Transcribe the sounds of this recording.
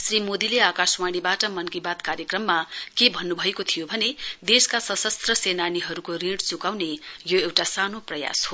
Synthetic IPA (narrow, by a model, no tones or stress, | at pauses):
srimod̪ileakaswaɽ̃ibaʈʌmʌnkibat̪kaɾjʌkrʌmːakebʱʌnːubʱʌekot̪ʰijobʱʌned̪eskasʌsʌst̪rʌsenaniɦʌɾukorĩɽt͡sukawnejoewʈasanoprʌja̰sɦo